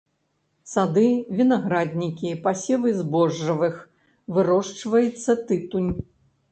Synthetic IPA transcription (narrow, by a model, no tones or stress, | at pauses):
sad̪ɨvʲinaɣɾad̪ʲnʲikʲipasʲɛvɨzbɔʐːɐvɨx | vɨɾɔʂt͡ʂvɐjɨt̪sːɐt̪ɨt̪unʲ